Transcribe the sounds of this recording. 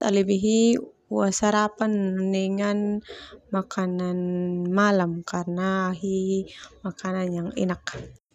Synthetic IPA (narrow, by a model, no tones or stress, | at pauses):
t̪a̰libiɦi | uasaɾapanːɛŋanmakʰananmalamkarnaɦimakananjaŋɛ̰nak̚